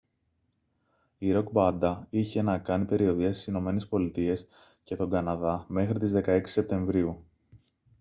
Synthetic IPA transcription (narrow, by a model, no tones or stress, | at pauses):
iɾo̞kbɐnd̪ɐiçe̞nɐkɐnipe̞ɾio̞ðiɐst̪i̥sino̞me̞ne̞spo̞lit̪ie̞s | ce̞t̪o̞ŋɡɐnɐðɐme̞xɾit̪izðe̞kɐe̞ksi̥se̞p̚t̪e̞ɱvɾiu